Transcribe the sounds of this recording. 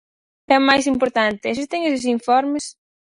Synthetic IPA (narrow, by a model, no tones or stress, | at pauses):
ɛmajs̬impoɾt̪ant̪ɪɛs̬ɪst̪eŋes̬es̬iɱfɔɾmes